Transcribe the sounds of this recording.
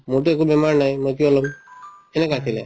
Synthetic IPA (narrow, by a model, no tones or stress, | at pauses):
muʈ̬uekubemaɾnaĩmɔt̪iɔlɔmenekat̪ʰile